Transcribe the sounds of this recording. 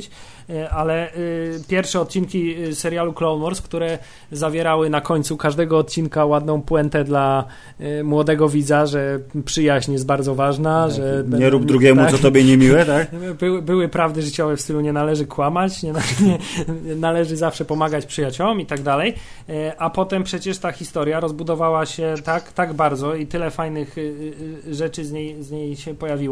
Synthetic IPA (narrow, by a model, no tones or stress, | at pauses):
t͡ɕ | alɛpʲjɛɾfʂɛɔt̪̚t͡ɕinkʲisɛɾjaluklɔwnmɔɾskt̪uɾɛ | zavʲjɛɾawɘnakɔɲʲt̪sukaʐd̪ɛɡɔːt̪̚t͡ɕinkawad̪nɔ̃w̃pwɛnt̪ɛd̪la | mwɔd̪ɛɡɔvʲid̪zaʐɛpʂɘjaʑɲjɛst̪baɾd̪zɔvaʐnaʐɛɲɛɾubd̪ɾuɡʲɛmuaɔt̪ɔbʲjɛɲɛmʲiwɛt̪akbɘwbɘwɘpɾavd̪ɘʐɘt͡ɕɔvɛfst̪ɘluɲɛnalɛʐɘkwamat͡ɕɲɛnaɲɛɛnalɛʐɘzafʂɛpɔmaɡat͡ɕpʂɘjat͡ɕɔwɔmit̪aɡd̪alɛj | apɔt̪ɛmpʂɛt͡ɕɛʂt̪axʲist̪ɔɾjaɾɔzbud̪ɔvawaɕɛt̪akt̪aɡbaɾd̪zɔit̪ɘlɛfajnɘx | ʐɛt͡ʂɘzɲejzɲejɕɛpɔjavʲiwɔ